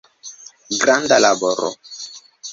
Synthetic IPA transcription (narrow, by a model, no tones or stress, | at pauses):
ɡɾandalabɔɾɔ̰